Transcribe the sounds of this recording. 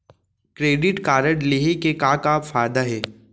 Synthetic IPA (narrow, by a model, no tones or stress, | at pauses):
kɾeːɖɪʈkaːɾəɽleɦekekãːkaːfaːjd̪aɦɛː